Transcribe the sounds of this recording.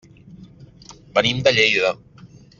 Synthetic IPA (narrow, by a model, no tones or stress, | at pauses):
bənimd̪əʎejðə